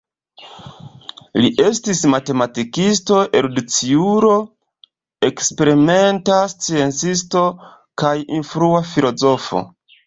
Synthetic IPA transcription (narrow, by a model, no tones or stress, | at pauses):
liʔe̞stismate̞matikisto̞ʔeɾudut͡siuɾo̞ | e̞kspe̞ɾime̞ntast͡sie̞nt͡sisto̞ | kajinfɾuafilo̞zo̞fo̰